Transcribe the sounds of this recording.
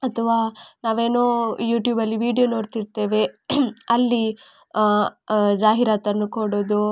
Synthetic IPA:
ɐt̪ʰɐʋaːnaːʋe̞ːnoːjuːʈjuːbɐlːiʋiːɖijonoːɾt̪iɾt̪e̞ːʋe̞ɐlːi | d͡ʒaːɦiɾaːt̪ɐnːukoɽoːd̪u

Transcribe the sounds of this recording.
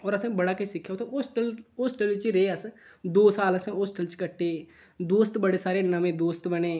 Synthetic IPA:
ɔːɾəsẽbəɽaːkesɪkʰjaot̪ʰaosʈəloːsʈəlt͡ʃiɾeːəs | d̪oːsaːləsosʈəlt͡ʃkəʈːe | d̪oːst̪bəɽesaːɾenəmẽːd̪oːst̪bəneː

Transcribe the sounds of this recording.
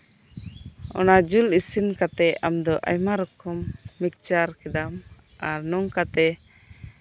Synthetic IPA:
ɔ̰nad͡ʒulisinkat̪ɛamd̪ɔʔa̰jmaɾɔkɔmːik̚t͡ʃaɾkɛdam | aɾnɔŋkat̪ɛ

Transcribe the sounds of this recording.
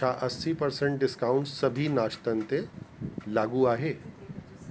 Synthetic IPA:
aʔɐsːipɐɾsẽɳʈ̚ɖɪskaːʊ̃ɳʈssɐbʱinaːʃt̪ə̃nt̪elaːɡuaːɦeː

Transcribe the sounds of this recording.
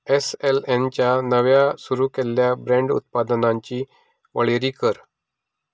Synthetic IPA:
eselent͡ɕjanəʋjasuɾuːkeljabɾẽɳɖṵt̪̚pad̪nãɲt͡ɕiː | ʋʔəɭeɾiːkəɾ

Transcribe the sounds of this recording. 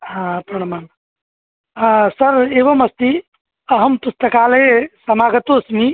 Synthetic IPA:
ɦãpɐɳmaːn | sɐɾeːʋɐmɐst̪i | ɐɦəmp̪ust̪ɐkaːlɦesɐmaːɡət̪oːsmi

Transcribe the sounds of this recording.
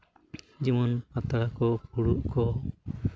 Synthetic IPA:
d͡ʒimɔnpat̪aɽakɔpuɽuʔkɔ

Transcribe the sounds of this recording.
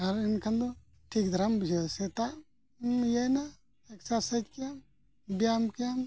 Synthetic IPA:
ɐɾinkʰɐnd̪u | ʈʰiːk̚d̪ʱɐɾambd͡ʒeset̪a | jena | eksasɐd͡ʒ̪kjam | bjamkjam

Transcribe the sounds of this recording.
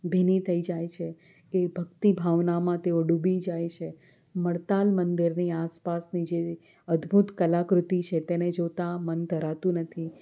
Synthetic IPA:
bʱinit̪ʰəid͡ʒajt͡ʃʰe | ebʱəkt̪ibʱaʋnamãt̪eoɖubid͡ʒajt͡ʃʰe | məɽt̪almənd̪iɾniaspasnid͡ʒe | əd̪bʱut̪kəlakɾʊt̪it͡ʃʰet̪ened͡ʒot̪amənd̪ʱəɾat̪ũnət̪ʰi

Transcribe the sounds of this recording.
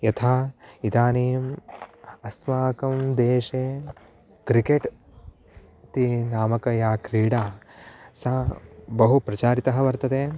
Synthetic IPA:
jɐt̪ʰaːid̪aːniːm | ɐsmaːkɐmd̪eːʃeː | kɾikeʈ | t̪inaːmɐkɐjaːkɾiːɽaːsɐbɐɦupɾɐt͡ʃaːɾit̪ɐɦɐ̆ʋɐɾt̪ɐd̪eː

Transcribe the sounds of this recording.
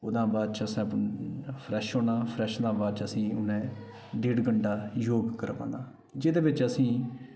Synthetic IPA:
ʊd̪ãːbaːd̪̚t͡ʃəsẽːpənpʰɾɛːʃɦoːnãːpʰɾɛːʃd̪ãːbaːd̪t͡ʃəsĩːʊnɛ̃ː | ɖeːɖɡəɳɖaːjoːɡkəɾʋã̰ːnd̪aː | d͡ʒɪd̪eːʋɪt͡ʃəsĩː

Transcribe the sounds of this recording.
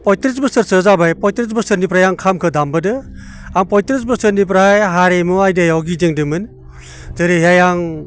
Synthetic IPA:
pɔjtɾisbɯsɯɾsɯzabajpɔjtɾis̬bɯsɯɾnip̬ɾajaŋkʰamkʰɯdambɯdɯ | aŋpɔjtɾis̬bɯsɯɾnip̬ɾajɦaɾemuajdajawɡideŋdɯmɯn | zɯɾiɦjajaŋ

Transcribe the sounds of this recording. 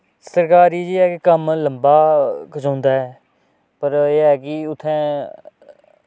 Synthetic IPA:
səɾkaːɾiːd͡ʒiːɛːkɪkəmləmbaːkət͡ʃõːnd̪aːɦɛː | pəɾeːɛːkɪʊt̪ʰːɛ̃ː

